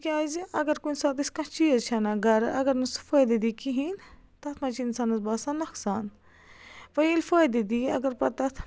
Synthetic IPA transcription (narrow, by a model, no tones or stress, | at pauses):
kiaːjziɐɡɐɾkunʲsaːt̪iskɐ̃t͡ʃiɐt͡ʃʰɐnɐɡɐɾɐ̰ɡɐɾnɨsu̥fɐjd̪ɐd̪ikiɦin | t̪ɐt̪ʰmɐt͡ʃiinsaːnɐzbaːsanɐksaːn | ʋɐjilfəjd̪id̪iɐ̰ɡɐɾpɐt̪ɐt̪ʰ